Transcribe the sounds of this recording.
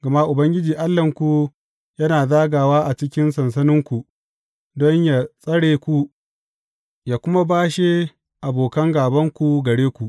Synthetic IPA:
ɡɐ˨ma˦ʔʊ˨bɐ˦ŋɡʲɪ˦d͡ʒiː˨ʔa˦lːɐ˨ŋkʷu˨ | jɐ˦naː˨zaː˦ɡaː˨waː˦ʔa˨t͡ʃɪ˦kʲɪ˦nsɐ˨ns̬ɐ˦nɪ˦ŋkʷu˨ | dɔ˦ɲja˨sʼɐ˦ɽeː˨kʷu˦ | jaː˨kʷʊ˦ma˦baː˦ʃe˦ | ʔa˨boː˨kɐ˦ŋɡaː˨bɐ˦ŋkʷu˨ɡɐ˨ɽeː˦kʷu˨ʔ

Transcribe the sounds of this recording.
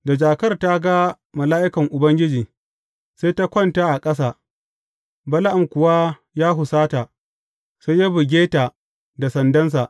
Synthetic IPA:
da˨d͡ʒaː˨kɐ˦rta˦ɡa˦ | mɐ˨laː˦ʔɪ˦kɐ˨ŋʔʊ˨bɐ˦ŋɡʲɪ˦d͡ʒiː˨ | sa˦ta˦kʷɔ˦˨nta˦ʔa˨kʼɐ˦s̬aː˨ | bɐ˦la˦ʔa˨mkʷʊ˨wa˦ | jaː˦ɦʊ˨saː˦ta˨ | se˦ja˦bʊ˨ɡʲeː˦ta˨ | da˨sɐ˨ndɐ˦ns̬a˨ʔ

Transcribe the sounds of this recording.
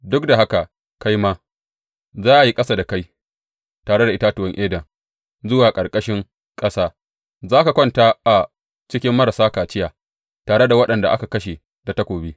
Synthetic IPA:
dʊ˦k̚da˨ɦa˦ka˨ | ka˦jmaː˦ | zaː˦ʔa˨ji˦kʼɐ˦saː˦da˨ka˦j | taː˨ɽe˦da˨ʔɪ˦ta˦tʊ˨wɐ˦ŋʔeː˦dɐ˨ŋ | zʊ˦waː˨kʼɐ˨ɾkʼɐ˦ʃɪ˦ŋ | kʼɐ˦saː˦ | zaː˦ka˨kʷɔ˦nta˦ʔa˨ | t͡ʃɪ˦kʲɪ˦mːɐ˦ɾa˨saː˦kaː˨t͡ʃɪ˦jaː˨ | taː˨ɽe˦da˨wɐ˦ɗɐ˨nda̰˨ʔa̰˦ka˨kɐ˦ʃe˨ | da˨ta˦kʷoː˨bi˦

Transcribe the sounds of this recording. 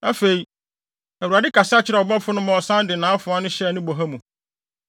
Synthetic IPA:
a˦fe˨i˨ | æ˨u˨a˨dɪ˦ka˨sɪ˦a˦t͡ɕʰɪ˦ɾɛ˨ɔ˨bɔ˦fʊ˦nʊ̃˦mɔ̃˨ɔ˨sã˦ndɪ˨nãː˨˦fʊ˨˦a˦nʊ̃˦ɕɛ˦˨nʊ̃˦bo˨ɦa˦mũ˨

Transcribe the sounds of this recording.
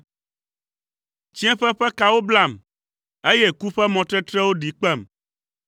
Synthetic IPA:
t͡ɕi˦ɛ̃˦ɸɛ˦ɸɛ˦ka˨wo˦bla˦˨m | e˦jɛ˦ku˦ɸɛ˦mɔ̃˨t̪ɾɛ˦t̪ɾɛ˦wo˦ɖi˨k͡pɛ˦˨m

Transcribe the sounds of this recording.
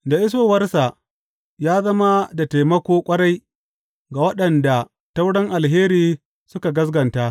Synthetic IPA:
da˨ʔɪ˦s̬oː˨wɐ˦rsa˨ʔ | jaː˦zɐ˦ma˦da˨ta˨mɐ˦kʷoː˦kʷʼɐ˦ɽa˦j | ɡa˨wɐ˦ɗɐ˨nda˨ | ta˦wɽɪ˦ŋʔa˨lɦeː˦ɾiː˨ | sʊ˦ka˨ɡɐ˦s̬ɡɐ˨nta˦

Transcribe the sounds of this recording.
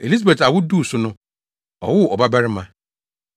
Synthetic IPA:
e˨li˦sa˦˨be˨ta˨wʊ˦du˦˨sʊ˦nʊ̃˦ | ɔ̰˨wʊ˦˨ɔ˨ba˦bɛ˦ɾɪ˦mã˨

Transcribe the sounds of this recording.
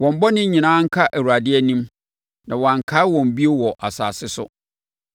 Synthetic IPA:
wɔ̃˨m˦bɔ˦nɪ̃˦ɲĩ˨nãː˦ŋ̩˦kʰa˦ʔæ˨wu˨a˨dɪ˦ɛ˦nĩ˦m | nã˨wɔ̃˨ã˨ŋ˨kʰa˦wɔ̃˨m˨bi˦e˦wɔ˨ʔa˨sa̰ː˨sɪ˦sʊ̰˦

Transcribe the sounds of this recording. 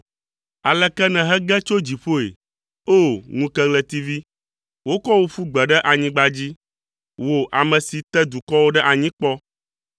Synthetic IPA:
a˨lɛ˨kɛ˦nɛ̃˨ɦɛ˦ɡɛ˦t͡ʃo˦d͡ʑi˨ɸo˦ḛ˨ | o˦ŋũ˦kɛ˦ɡlɛ˨t̪i˦vi˦ | wo˦kɔ˦wo˦ɸu˦ɡ͡bɛ˨ɖɛ˦ʔa˨ɲĩ˦ɡ͡ba˦d͡ʑi˦ | wo˨ʔa˨mɛ̃˨si˨t̪ɛ˦d̪u˨kɔ˦wo˦ɖɛ˦ʔa˨ɲĩ˦k͡pɔ˦

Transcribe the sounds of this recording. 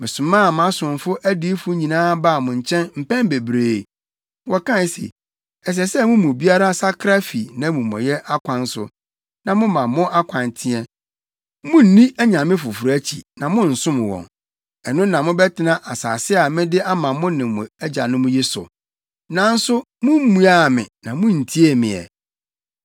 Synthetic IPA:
mɪ̃˨sʊ̃˨mãː˦˨m˦ã˦sʊ̃˨m˨fʊ˦ʔæ˦di˦fʊ˦ɲĩ˨nãː˦ba˦˨mʊ̃˨ɲ̩˨t͡ɕʰɛ̃˦nm̩˨pɛ̃˦m˦be˨bɾeː˦˨ | wɔ˨kã˦˨˦sḛ˨ | ɛ˨s̬ɛ˨smʊ̃˦mʊ̃˨bi˦a˦ɾa˦sa˦kʰɾa˦fi˨nã˦mũ˨mɔ̰̃˨jɛ˦ʔa˦kʷʰã˨n̩˦sʊ̰˨ | nã˨mʊ̃˦mã˨mʊ̃˦ʔa˦kʷʰã˨n˨tʰɪ̃˦ɛ˦ | mʊ̃˦n̩˨˦nĩ˦æ˦ɲã˨mɪ̃˦fʊ˨fu˨ɾæ˦t͡ɕʰḭ˨nã˨mʊ̃˦n̩˨sʊ̃˦m˨wɔ̰̃˨ŋ | ɛ˨nʊ̃˦nã˨mʊ̃˦bɛ˦tʰɪ˦nã˦ʔa˨sa̰ː˨sɪ˦a˨mɪ̃˦dɪ˦a˦mã˨mʊ̃˦nɪ̃˨mʊ̃˨ɛ˦d͡ʑa˨nʊ̃˦mʊ̃˦ji˦sʊ̰˨ | nã˨n̩˦sʊ˦ | mʊ̃˦m̩˦mũ˦a˦˨mɪ̰̃˨nã˨mʊ̃˦n̩˨tʰi˦e˦mɪ̰̃˨ɛ̰˨

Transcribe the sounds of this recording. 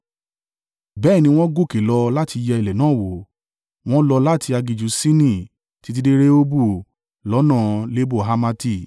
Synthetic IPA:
bɛː˦˨nĩ˧w̃ɔ̃˦ɡu˦˨ke˨lɔ˧la˦ti˧jɛ˧i˧˨lɛ˨nãː˨˦˨wo˨ | w̃ɔ̃˦lɔ˧la˦tʰi˧a˧ɡi˨d͡ʒu˧˦sĩ˦nĩ˦˨ | ti˨˦t̬i˧˦de˦ɾe˦o˦bu˦˨ | lɔ˨˦nãː˦˨le˦bo˦˨ɦa˧ma˧ti˧˨

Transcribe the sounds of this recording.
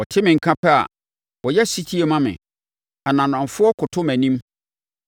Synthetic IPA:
wɔ˨tʰɪ˦mɪ̃˨ŋ̩˨kʰã˦pʰɛ˦a̰˨ | wɔ˨jɛ˦si˦tʰi˦e˨mã˦mɪ̰̃˨ | a˨nã˨nã˨ɱ˨fʊ˦ɔ˦kʰʊ˨tʰʊ˦mæ̃˨nĩ˦m

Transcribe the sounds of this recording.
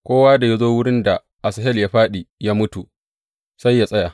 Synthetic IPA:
kʷoː˦waː˦da˨ja˦zoː˦wʊ˦ɽɪ˦nda˨ | ʔa˨sɐ˨ɦɛ˦ljaː˦ɸaː˦ɗi˨jaː˦mʊ˦tu˨ | sa˦jːa˨sʼɐ˦ja˨

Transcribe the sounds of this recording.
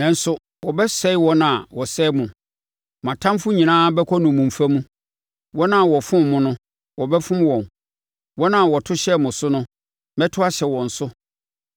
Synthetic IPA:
nã˨n̩˦sʊ˦ | wɔ˨bɛ˦sɛ˦ɪ˦wɔ˦nã˨wɔ˨sɛ˦mʊ̃˨ | mã˨tʰã˦mfʊ˦ɲĩ˨nãː˦bɛ˦kʰɔ˦nʊ̃˨mũ˨m̩˨fa˦mũ˦ | wɔ˦nã˨wɔ˨fʊ̃˦mmʊ̃˦nʊ̃˦ | wɔ˨bɛ˦fʊ̃˦mwɔ̃˨n | wɔ˦nã˨wɔ˨tʰʊ˦ɕɛ˦˨mʊ̃˨sʊ˦nʊ̃˦ | mɛ˦tʰʊ˦a˦ɕɛ˨wɔ̃˨n̩˨sʊ˦

